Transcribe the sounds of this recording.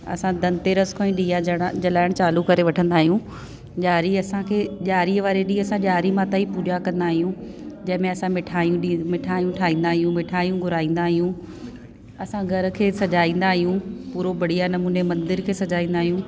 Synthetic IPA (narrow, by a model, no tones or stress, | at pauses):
ɐ̰sãd̪ɐ̃nt̪eɾɐskʰõːĩɗiːjaɽd͡ʑɐlaːɪɽ̃t͡ɕaːlukɐɾeʋɐʈʰə̃nd̪aːɦijũ | ʄaːɾiɐsãkʰeːʄaːɾiəʋaːɾeɗiːɐsãʄaːɾimãːt̪aipuːd͡ʑakɐ̃nd̪aːɦijũd͡ʑɐ̃ɦɪ̃mẽɐsãmɪʈʰaːijũɗimɪʈʰaːjũʈʰaːɦĩːnd̪aːɦijũmɪʈʰaːjũɡʱʊɾaːĩːn̆d̪aːɦijũ | ɐsãɡʱɐɾəkʰeːsɐʄaːĩːnd̪aːɦijũpuːɾobɐɽ̤ijanɐmuːnemɐ̃nd̪ɪɾkʰeːsɐd͡ʑaːĩːn̆d̪aːɦijũː